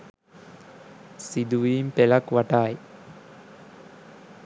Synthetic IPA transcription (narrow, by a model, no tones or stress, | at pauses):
sid̪uʋiːmpelɐkʋaʈaːj